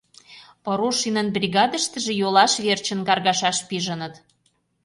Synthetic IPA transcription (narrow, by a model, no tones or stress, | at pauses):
pə̆ɾoʃinənbrʲiɣɑd̪əʃt̪ə̆ʒĕjolɑʃβert͡ɕə̆nkɑrɣɑʃɑʃpiʒənə̆t̪